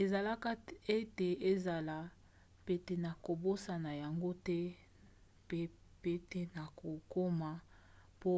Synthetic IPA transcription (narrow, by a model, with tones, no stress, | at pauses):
e˨za˨la˦ka˦e˦te˨e˦za˨la˨ | pe˦te˨na˨ko˨bo˦sa˨na˨ja˨ŋɡo˦tɛ˦ | pe˦ | pe˦te˦na˨ko˨ko˦ma˨ | po˦